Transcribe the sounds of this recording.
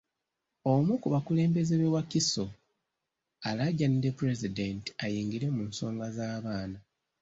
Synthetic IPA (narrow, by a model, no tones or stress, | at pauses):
omukuβakule̞ːmbe̞zeβewakiso | alaɟandepuɾe̞zidenti̥ajiːŋɡiɾemuːnso̞ːŋɡazaːβaːna